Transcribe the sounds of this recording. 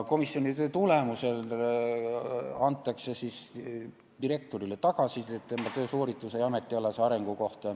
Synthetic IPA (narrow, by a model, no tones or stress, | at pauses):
ko̞misjonʲit̪øːt̪ule̞muse̞l | ɑnt̪ˑːɑkse̞sis | d̪̥iɾe̞k̚t̪o̞ɾile̞t̪ɑɡ̥ɑsiett̪ːemɑt̪øːsoːɾit̪ːˑusejɑme̞t̪ːˑioleseɑɾe̞ŋɡ̥uko̞ht̪ɑ